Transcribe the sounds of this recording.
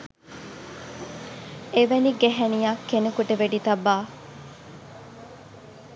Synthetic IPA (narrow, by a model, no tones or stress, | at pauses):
eʋeniɡeɦenijakːenekuʈəʋeɖit̪ɐbːaː